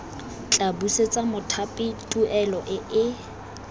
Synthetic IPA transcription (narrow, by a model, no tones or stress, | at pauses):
t͡ɬʼabuset͡sʼamʊtʰapʼɪtʼuʔɛlɔʔɪʔɪ